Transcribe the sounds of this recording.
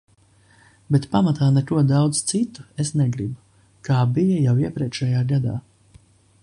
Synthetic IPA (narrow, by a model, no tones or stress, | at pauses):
bɛt̪pamat̪aːnɛkuɔd̪awd̪zt̪sit̪u̥esnɛɡɾibu | kaːbijɐjawiɛpʲɾʲɛkʃɛjaːɡad̪a̰ː